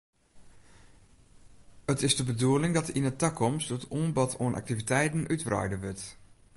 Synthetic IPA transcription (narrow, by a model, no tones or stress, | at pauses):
ətɪsdəbəduəlɪŋdɔtinətakʰɔmstətuːnbɔtʰo̰ənʔa̰k̚tivitʰɛjtn̩ʔytrɔ̰jdəʋʏt